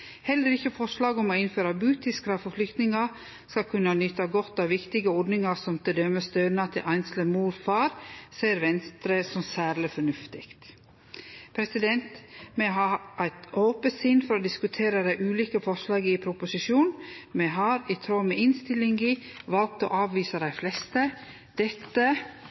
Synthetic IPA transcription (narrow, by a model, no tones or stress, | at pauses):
hɛlːəɾɪçəfɔʂlɑːɡɔmoːɪnføːɾɑbʉːt̪ɪskɾɑfɔflʏkt̪nɪŋɑ | skɑkʰʉnɑnʏt̪ɑɡɔt̪ːɑːʋʋɪkt̪ɪɡəɔɖnɪŋɑsɔmt̪ʰɪd̪œməst̪œːnɑt̪ʰɪlʔæɪnsləmuːɾfɑːɾseːɾʋɛnst̪ɾəsɔmsæːɾlɪfɔɳʉft̪ɪkt̪ | pʰɾɛsɪd̪ɛnt̪mɛɦɑːʔæɪt̪oːpəsɪnfɔɾoːd̪ɪskʉt̪ʰeːɾəd̪æɪʔʉːliːkəfɔʂlɑːɡɪpʰɾʊpʊsɪʃuːnmɛɦɑɾɪt̪ʰɾoːmɛʔɪnst̪ɪlːɪŋɪʋɑlk̚t̪o̰ːʔɑːʋʋiːsəd̪æɪflɛst̪ə | d̪̥ɛt̪ːə